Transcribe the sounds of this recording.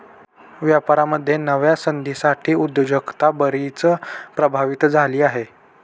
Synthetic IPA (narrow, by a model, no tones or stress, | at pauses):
ʋjapaɾaməd̪ʱːjenəʋjasənd̪isaʈʰiːud̪əd͡ʑəkt̪abəɾit͡səpɾəbʱaʋit̪d͡zʱaliːaɦe